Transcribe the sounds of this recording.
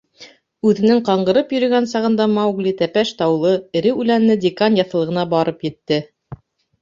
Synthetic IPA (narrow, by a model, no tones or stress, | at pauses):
ʉðɘ̆nɘŋqɑɴɢɤ̆ɾɤpjɵ̆ɾɵ̆ɡænsɑʁɤ̆nd̪ɑmɑwɡlʲit̪æpæʃt̪ɑwlˠɤɘ̆ɾɘʉlænːɘdʲɪkanjɑθɤ̆lˠɤ̆ʁɤ̆nɑbɑɾɤpjɘ̆t̪ːɘ